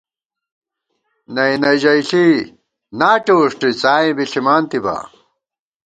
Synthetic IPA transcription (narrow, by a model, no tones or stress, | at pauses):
nɐjnɐjd͡ʑɐiɬi | naːʈoːʂʈit͡saːĩbiɬimaːnt̪iba̰